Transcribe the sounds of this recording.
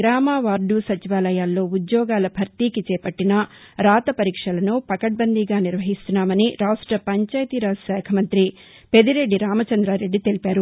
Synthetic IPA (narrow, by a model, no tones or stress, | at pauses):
ɾaːmaːʋaːɾɖusɐt͡ʃiʋaːlɐjaːlːo̞ːud̪jɔːɡaːlɐbʱɐɾt̪iːkit͡ʃɛːpɐʈːinɐ | ɾaːt̪ɐpɐɾiːkʂɐlɐnupɐkɐʈ̚bɐnd̪iɡaːniɾʋɐɦist̪unːaːmɐniɾaːʂʈɾɐpɐɲt͡ʃaːjt̪iɾasɛːkʰɐmɐnt̪ɾi | pe̞d̪iɾe̞ɖːiɾaːmɐt͡ʃɐnd̪ɾaːɾe̞ɖːit̪e̞lipaːɾu